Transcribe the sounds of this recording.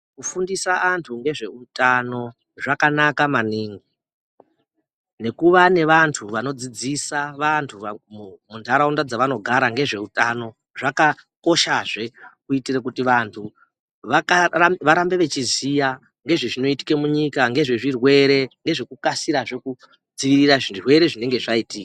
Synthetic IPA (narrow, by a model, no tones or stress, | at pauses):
kufundisaʔantʰuŋɡe̞ʐe̞utano̞ | ʐakanakamaniŋɡi | ne̞kuʋane̞ʋantʰuʋano̞d͡zid͡zisaʋantʰumuntʰaɾaundad͡zaʋano̞ɡʱaɾaŋɡe̞ʐe̞utano̞ | ʐakako̞ʃaʐe̞kuitirekutiʋantʰu | ʋakaʋaɾambe̞ʋe̞t͡ʃizija | ŋɡe̞ʐeʐino̞iti̥ke̞muɲikaŋɡe̞ʐe̞ʐirwe̞ɾe̞ŋɡe̞ʐe̞kukasiɾaʐeku | d͡ziʋiriraʐinrwe̞ɾe̞ʐine̞ŋɡe̞ʐaitiːkḁ